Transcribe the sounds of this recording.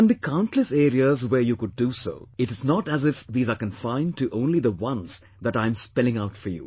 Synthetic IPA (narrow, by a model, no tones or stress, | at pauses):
ə̃nd̪ikʰãʊ̃nʈʰləseːɾiəzwə˞jukʊɖːuso̰ɪʈɨznɔʈæzɪfd̪iːzakə̃nfãɪ̃nɖʈuʔõʊ̃nliðəwʌ̃nz | ðæʈãɪ̃mspɛlɪ̃ŋaʊtfə˞jṵ